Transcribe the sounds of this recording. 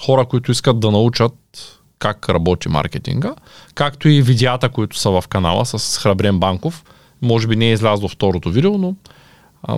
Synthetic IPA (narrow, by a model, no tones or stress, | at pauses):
xɔɾəkoit̪ʊiskəd̪̚d̪ɐnɐut͡ʃət̪̚ | kakɾɐbɔt̪ima̰ɾkʲɛt̪ḭŋɡəkakt̪oivid̪ʲɛat̪əkoit̪ʊ̥sɐvɐfkɐna̰lˠə̰sɐsxɾɐbɾɛmbaŋkof | mɔʒɛbinɛːizlʲazd̪ˠoft̪ɔɾot̪ovid̪ilˠono̰